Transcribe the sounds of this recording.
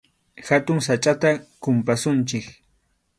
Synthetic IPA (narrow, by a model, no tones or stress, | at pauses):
xat̪ʊŋsat͡ʃʼat̪akʊmpasʊnt͡ʃɪk